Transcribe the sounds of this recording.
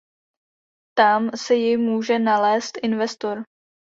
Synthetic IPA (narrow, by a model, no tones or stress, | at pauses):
t̪amsɛjɪmuːʒɛnalɛːst̪ʔɪnvɛst̪oɾ